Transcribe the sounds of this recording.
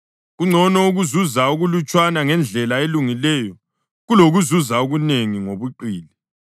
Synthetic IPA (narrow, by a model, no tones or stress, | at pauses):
ɣuŋ͡ǀʱɔnɔuɣuzuzauɣulut͡ʃʼwanaŋɛnd͡ɮʱɛlaeluŋilɛjɔ | ɣuloɣuzuzauɣuneŋiŋoβuǃiːli